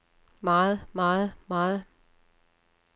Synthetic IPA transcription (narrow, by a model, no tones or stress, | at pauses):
mɑːð̩ˠmɑːð̩ˠmɑːð̩ˠ